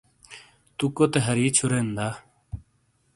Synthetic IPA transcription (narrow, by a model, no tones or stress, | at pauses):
t̪ukot̪eɦɐɾiːt͡ɕʰuɾend̪a